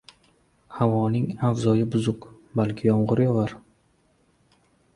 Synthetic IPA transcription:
havɒnɪŋavzɒjɪbʊzʊq | balkʲʰɪjɒmʁʊɾjɒvaɾ

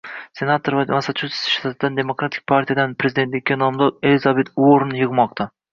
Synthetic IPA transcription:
se̞nat̪ʰoɾvamasat͡ʃʰusɪ̥sʃt̪ʰat̪ʰɪd̪and̪e̞mokɾat̪ʰɪ̥k̚ʲpʰaɾt̪ʰijad̪anpʰɾe̞zid̪e̞nt̪lʲɪkʲːanɒmd̪ɒɾelizabet̪oɾnjɨʁmɒqt̪ʰa

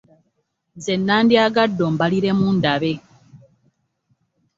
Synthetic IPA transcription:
zenːaːndjaɡadːombaliɾe̞muːndaβe̞

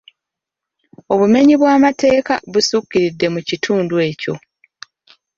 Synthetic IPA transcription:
o̞βume̞ɲiβwaːmate̞ːka̰βusukːiɾidːe̞mucitʰuːndwe̞ːco̞

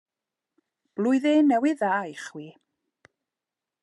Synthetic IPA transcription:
b̥lˠʊjðenɛwɪðaːjχwiː

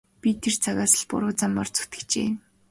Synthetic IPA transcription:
pʲit̪ʰert͡sʰaɣaːsə̆ɮpʊ̰ɾʊːt͡samːɔ̰rt͡su̥t̪ɘ̥̆kt͡ɕḛː

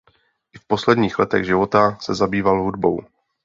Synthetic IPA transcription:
ʔɪfposlɛdɲiːxlɛt̪ɛɣʒɪvo̞t̪asɛzabiːvalɦudbo̞̰w

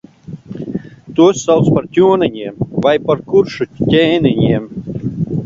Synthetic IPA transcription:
t̪uɔsːalˠt̪spaɾt̪ʲuɔnanʲiɛmvajpaɾkuɾʃut̪ʲɛːnʲinʲiɛm

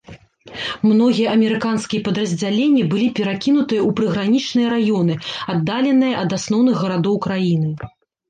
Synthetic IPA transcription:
mnɔɣʲijɐʔɐmʲɛɾɨkanskʲijɐpɐd̪ɾɐzʲd͡zʲalʲenʲːibɨlʲipʲɛɾakʲin̪ut̪ɨjɐʔupɾɨɣɾanʲit͡ʂnɨjɐɾajɔnɨad̪ːalʲɛnɨjɐʔɐd̪asn̪ɔwn̪ɨɣːɐɾad̪ɔwkɾajin̪ɨ

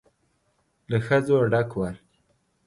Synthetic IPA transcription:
laxəzoɖakwaɾ

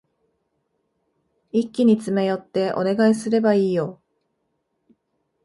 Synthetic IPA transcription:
ikʲːiɲ̟it͡sɨme̞jo̞t̪ːe̞ʔo̞̰ne̞ɡaisɨɾe̞baiːjo̞

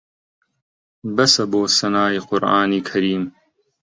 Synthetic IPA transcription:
bɐsɐboːsɐnaːiqʊɾʔaːniːkʰɐɾiːm

